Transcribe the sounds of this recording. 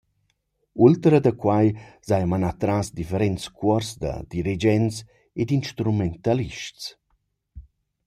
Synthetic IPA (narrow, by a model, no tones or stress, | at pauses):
ult̪əɾəd̪əkwajz̥ajmanat̪ɾasd̪ifeɾɛnt͡skʰwɔɾzd̪ə̰d̪iɾid͡ʒɛnt͡s | ed̪inʃt̪ɾumɛnt̪aliʃt͡s